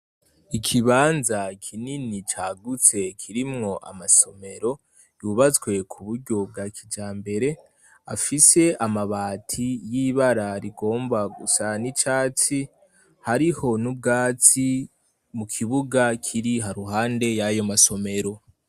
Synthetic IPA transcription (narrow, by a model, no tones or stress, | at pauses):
ikʰiβaːnzakʰininit͡ʃaːɡut͡se̞kʰiɾimŋo̞ʔa̰maso̞me̞ɾo̞ | juːβat͡swe̞kʰuβuɾɟo̞b̚ɡakʰid͡ʒaːmbe̞ɾe̞ | afise̞ʔamaβaːtʰijiβaɾaɾiɡo̞ːmbaɡusanit͡ʃaːt͡si | haɾiho̞nub̚ɡaːt͡si | mukʰiβuɡakʰiɾiɦaɾuɦaːnde̞jajo̞maso̞me̞ɾo̞